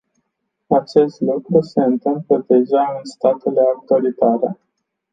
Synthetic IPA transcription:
at͡ʃe̞st̪lukɾuse̞ɨnt̪ɨmpləd̪e̞ʒaɨnst̪at̪ele̞ak̚t̪oalit̪aɾe̞

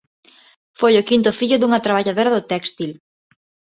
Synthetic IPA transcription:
fojʊkint̪ʊfiʎʊðuŋɐt̪ɾaβ̞aʎaðoɾɐðʊt̪ɛkst̪il

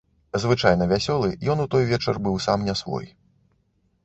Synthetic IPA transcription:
zvɨt͡ʂajnɐvʲasʲɔlˠɨjɔnut̪ɔjvʲɛt͡ʂɐrbɨwsamnʲɛsvɔ̰j

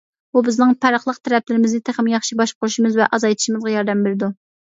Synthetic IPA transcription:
bubɪznɪŋpʰæɾəχlˠəq̚t̪ʰæɾɛp̚lɪɾɪmɪznɪt̪ʰeχɪmjɑχʃibɑʃqʰʊɾuʃimɨzvɛʔɑzɑjt̪ʰi̥ʃimɨzʁɑjɑɾd̪ɛmbeɾɪd̪u

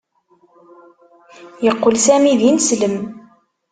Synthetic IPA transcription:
jəqːolsæmiðinsləm

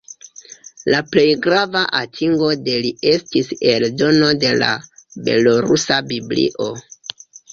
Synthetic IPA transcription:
laple̞jɡɾavaʔatʰiŋɡo̞de̞lie̞stise̞ldo̞no̞de̞la̰be̞̰lo̞ɾusabiblḭʔo̞

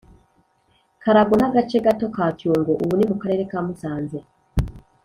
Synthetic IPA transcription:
kaɾaɡunaɡat͡ʃe̞ɡato̞kaːcuːŋɡoʔuβunimukaɾe̞ːɾe̞kaːmusaːnze

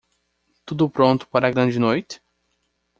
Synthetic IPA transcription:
t̪ud̪ʊpɾõnt̪ʊ̥paɾɐɡɾɐ̃d͡ʒɪnojt̪ɪ̥

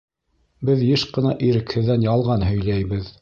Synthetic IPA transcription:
bɘðjɘʃqɤ̆nɑʔiɾɘ̆khɘ̆ðːænjɑlˠʁɑnɦɵ̆jlæjbɘð

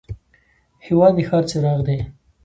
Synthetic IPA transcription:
hɪwɑd̪ixɑɾt͡seɾɑɣd̪e

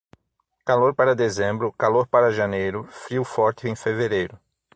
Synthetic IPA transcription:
kaloɾpaɾɐd̪ezẽmbɾʊkaloɾpaɾɐʒanejɾʊfɾiwfɔɾt͡ʃɪẽfeveɾejɾʊ

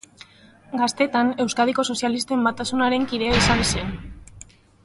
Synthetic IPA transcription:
ɡast̪e̞t̪ane̞wskað̞iko̞so̞sjalist̪e̞mbat̪asunaɾe̞ŋkiðe̞aisanse̞n

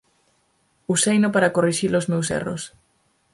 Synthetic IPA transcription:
usejnopaɾakoriʃilozmewsḛro̰s

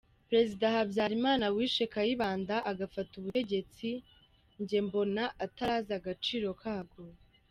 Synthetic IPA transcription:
pɾe̞zidahabjaɾimaːnawiːʃekajiβaːndaʔaɡafatuβueɟe̞t͡si | ɲɟe̞mbo̞naʔataɾaːzaɡat͡ʃiːɾo̞kʰaːɡo̞

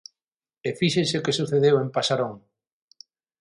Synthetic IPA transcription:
efiʃesekesuθeðewempasaɾoŋ

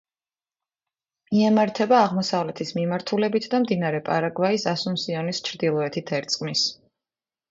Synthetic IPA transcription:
iɛmaɾt̪ʰɛbaːʁmɔsavlɛt̪ʰismimaɾt̪ʰulɛbit̪ʰd̪amd̪inaɾɛpʼaɾaɡvaisasumsiɔnist͡ʃʰɾd̪ilˠɔɛt̪ʰit̪ʰɛɾt̪sʼqʼmis

